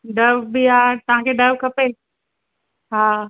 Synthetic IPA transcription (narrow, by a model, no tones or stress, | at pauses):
ɖɐʋbiaːt̪ɐʋ̤ãkʰeːɖɐʋkʰɐpeː | ɦaː